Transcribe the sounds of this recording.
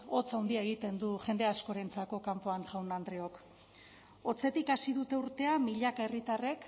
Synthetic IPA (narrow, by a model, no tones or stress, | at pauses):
o̞t͡sawnd̪iaeɣ̞it̪e̞nd̪uʝe̞nd̪e̞asko̞ɾe̞nt͡sako̞kampo̞aŋʝawnd̪and̪ɾeo̞k | o̞t͡se̞t̪ikasiðut̪e̞uɾt̪e̞amiʎakae̞rit̪are̞k